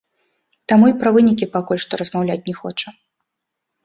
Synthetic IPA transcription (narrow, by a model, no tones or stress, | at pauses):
t̪amuipɾɐvɨnʲik̬ʲipakulʲʂt̪ɔɾɐzmawlʲat͡sʲnʲɛxɔt͡ʂɐ